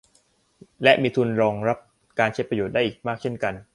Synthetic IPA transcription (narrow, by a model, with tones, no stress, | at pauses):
lɛ˦˥ʔmiː˧t̪ʰu˧nɾɔː˧ŋɾa˦˥p̚ | kaː˧nt͡ɕʰa˦˥pɾa˧joː˨˩t̪̚daː˥˩jʔːk̚maː˥˩k̚t͡ɕʰe˥˩nka˧n